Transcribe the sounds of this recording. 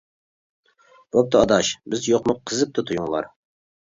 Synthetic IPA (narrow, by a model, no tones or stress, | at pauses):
bop̚t̪ɨɑd̪ɑʃbɪzjoqmʊqʰːəzɨp̚t̪ʰɨt̪ʰujuŋlˠɑ̰ɾ